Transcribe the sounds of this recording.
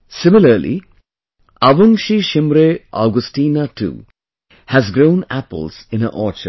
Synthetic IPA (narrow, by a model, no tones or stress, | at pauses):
sɪmɪləɾlḭ | aʋʊŋʃiʃɪmɾeʔa̰ɡʊsʈiːnaʈʰṵː | hæzɡɾõʊ̃næpə̰lz̥ɪ̃nənʔɔːt͡ʃə̰